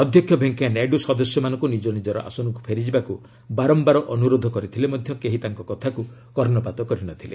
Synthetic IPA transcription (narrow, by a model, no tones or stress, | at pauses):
ɔd̪ʱjɔkʰjɔbʱeŋkaneɖusɔd̪ɔsjɔmanɔ̃ŋkunid͡ʒɔnid͡ʒɔɾɔ̰ʔa̰sunɔŋkupʰeɾid͡ʒibaku | baɾɔmbaɾɔʔɔnuɾod̪ʱɔkɔɾit̪ʰilemɔd̪ʱjɔkeɦit̪aŋkɔkɔt̪ʰaku | kɔɾnɔpat̪ɔkɔɾinɔt̪ʰile